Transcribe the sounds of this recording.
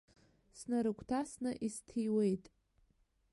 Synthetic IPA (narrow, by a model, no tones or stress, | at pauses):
snaɾɨkʷʼʰtʰasnɨʔistʰijwejtʼ